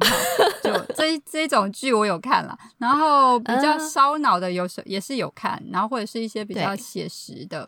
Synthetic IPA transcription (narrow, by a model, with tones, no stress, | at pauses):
t͡ɕjo˥˧˩ʊʈ͡ʂʈ͡ʂɤ˥˧i˥ʈ͡ʂʊ˨˩ŋt͡ɕy˥˩wɔ˧˥jo˨˩ʊkʰa̰˥˩nlə̰˩ | na˧˥nxo˥˩ʊpi˨˩t͡ɕjɑ˥˩ʊʂɑ˥ʊnɑ˨˩ʊd̪ə˦jo˨˩ʊʂə̰˧˥jɛ˨˩ʂɻ̩˥˩jo˨˩ʊkʰa̰˥˩na̰˧˥nxo˥˧xwɔ˥˩ʈ͡ʂɤ˨˩ʂɻ̩˥˧i˥˩ɕjɛ˥pi˨˩t͡ɕjɑ˥˩ʊɕjɛ˨˩ʂɻ̩˧˥d̪ə˧